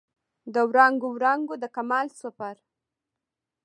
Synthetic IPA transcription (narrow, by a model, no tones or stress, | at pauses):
d̪əwɾɑŋɡowɾɑŋɡod̪əkamɑlswapaɾ